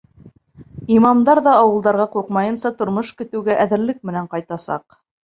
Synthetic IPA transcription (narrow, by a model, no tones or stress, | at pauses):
imɑmd̪ɑɾðɑːwɤ̆lˠd̪ɑɾʁɑquɾqmɑjɤ̆nsɑt̪ŏɾmoʃkɵ̆t̪ɘ̆wɡæʔæðɘ̆ɾlɘk̚mɘ̆næɴqɑjt̪ɑsɑ̰q